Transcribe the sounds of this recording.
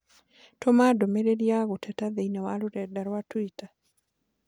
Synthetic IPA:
tɔmadɔmeɾeɾjaɣotʰɛtaðeinawaluɾɛdaɾwatwita

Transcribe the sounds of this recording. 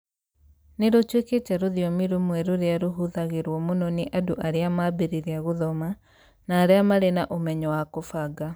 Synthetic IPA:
neɾotweketɛɾoðiɔmiɾomwɛɾoɾeaɾoɦuðaɣeɾwɔmonɔneʔadoʔaɾeamaːbeɾiɾeaɣoðɔma | naːɾeamaɾenaʔomɛɲɔwakofaɡa

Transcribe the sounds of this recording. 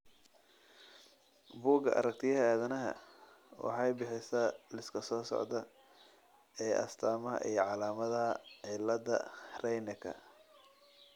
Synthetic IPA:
buːɡɐʔɐ̰ɾɐk̚t̪ʰɪjɐɦɐaːðɐnɐɦɐ̰ | wɑ̰ħɑjbɪħɪsɐlɪskʰɐsɔːsɔ̰ʕd̪ɐ | ɛːʔɐ̰st̪ʰaːmɐɦɐ̰ʔiːjʕɑlaːmɐðɐɐʕɪlːɐd̪ɐ̰rɛjnɐkʰɐ̰

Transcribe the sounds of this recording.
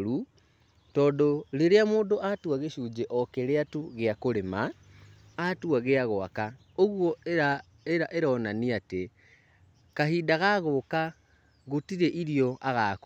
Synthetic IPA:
ɾu | tɔːdoleɾeamoːdoʔatuaɣeʃuːd͡ʒeʔɔkeɾeatuɣeakoɾemaː | tuaɣeaɣoa̰ka | oɣwoa | eɾaʔeɾɔːnaniate | kahiːdaɣaɣoka | ɣotiɾeʔiɾijoʔaɣak

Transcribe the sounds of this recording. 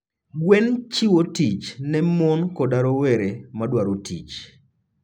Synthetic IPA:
ɡwent͡ʃiwotit͡ʃnɛmɔnkɔdaɾoweɾemadwaɾotit͡ʃ

